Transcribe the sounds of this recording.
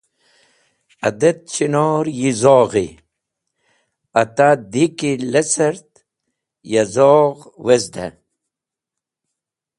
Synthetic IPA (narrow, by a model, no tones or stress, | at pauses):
ɐd̪et̪̚t͡ɕinoːɾjizoːʁḭ | ɐt̪ad̪ikilesɐɾt̪ | jɐzoːʁwezd̪ɐ̰